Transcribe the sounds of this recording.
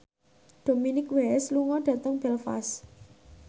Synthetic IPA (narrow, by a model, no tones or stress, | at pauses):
d̥o̤minɪkwɛsluŋɔɖ̥a̤t̪əŋb̥ɛlfa̰s